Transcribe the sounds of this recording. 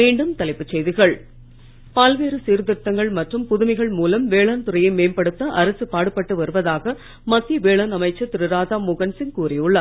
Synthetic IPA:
miːɳɖɯmt̪ɐlɐɪpːɯt͡ʃːɛjðɪɣɐɭ | paːlʋeːɾɯsiːɾðɪɾt̪ːɐŋɡɐɭmɐʈrɯmpʊðʊmɐɪɣɐɭmuːlɐmʋeːɭaːnt̪ɯɾɐjɐɪmeːmpɐɽɯt̪ːɐʔɐɾɐsɯpaːɽɯpːɐʈːɯʋɐɾɯʋɐðaːɣɐ | mɐt̪ːiʋeːɭaːnɐmɐɪt͡ʃːɐt̪ɪɾɯɾaːðaːmʊɣɐnsɪnkuːrɪjɯɭːɐ

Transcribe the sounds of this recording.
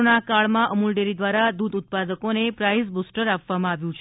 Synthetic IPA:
nakaɭmãʔəmulɖeɾid̪ʋaɾad̪ud̪ut̪̚pad̪əkonepɾajs̬busʈəɾapʋamãaʋjũt͡ʃʰ

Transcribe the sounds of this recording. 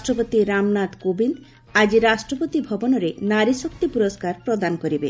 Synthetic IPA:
sʈɾɔpot̪iɾamnat̪kobind̪ | ad͡ʒiɾasʈɾɔpot̪ibʱɔbɔnɔɾenaɾisokt̪ipuɾoskaɾpɾod̪anɔkɔɾibe

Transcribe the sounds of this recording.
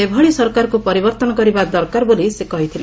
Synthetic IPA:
ebʱɔɭisɔɾkaɾɔkupɔɾibɔɾt̪ɔnɔkɔɾibad̪ɔɾkaɾɔbolisekɔɦit̪ʰile

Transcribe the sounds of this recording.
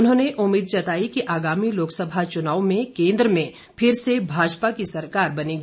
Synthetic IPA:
ʊnɦõːneʔʊmːiːd̪̚t͡ʃɐt̪aːikiʔaːɡaːmiloːksɐbʱat͡ʃʊnaːwmẽkẽːnd̪ɾəmẽ | pʰɪɾsebʱaːd͡ʒpakisɐɾkaːɾbɐniɡ

